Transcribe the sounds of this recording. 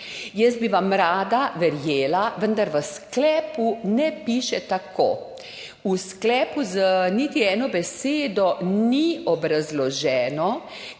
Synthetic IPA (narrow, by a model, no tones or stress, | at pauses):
jɛsd̪̚biʋamɾaːd̪aʋɛɾjeːlaʋənd̪aɾʋəsklɛːpunɛpiːʃɛt̪ako̰ː | usklɛːpuzənit̪iɛːnɔbɛseːd̪ɔniɔbɾazlɔʒɛːnɔ